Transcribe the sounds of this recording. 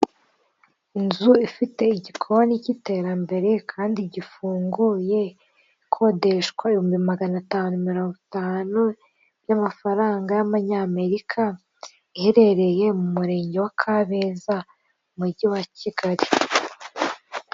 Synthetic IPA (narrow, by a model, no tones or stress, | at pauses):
inzuifite̞iɟikʰowanicite̞ɾambe̞ɾe̞kʰaːndiɟifuːŋɡuje̞ | kʰo̞de̞ʃkwaihuːmbimaɡanataːnumiɾo̞ːŋɡitaːnu | bjamafaɾaːŋɡajaβaɲame̞ɾikʰa | ihe̞ɾe̞ɾe̞je̞mumuɾe̞ːɲɟe̞wakʰaβeza | muɾɟiwaciɡaɾi